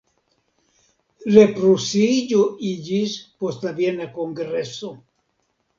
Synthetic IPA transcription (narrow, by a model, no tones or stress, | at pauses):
lepɾusiʎoiʎispost̪abjenakoŋɡɾeso